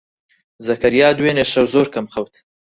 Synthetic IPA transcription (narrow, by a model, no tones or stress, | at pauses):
zɐkɐɾjɑːd̪weːneʃɐwzoːɾkɐmχɐwt̪